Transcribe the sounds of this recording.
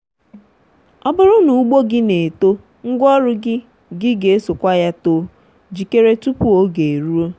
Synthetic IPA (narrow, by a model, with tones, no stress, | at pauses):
ɔ˦bʊ˦ɾʊ˦nu˨u˦ɡ͡bo˦ɡɪ˦ne˨to˦ | ŋ̩˦ɡʷɔ˦ɾʊ˦ɡɪ˦ | ɡɪ˦ɡe˨e˦so˨kʷa˦ja˦to˨ | d͡ʒi˨ke˦ɾe˦tu˦pu˦o˦ɡe˨e˨ɾu˦o˦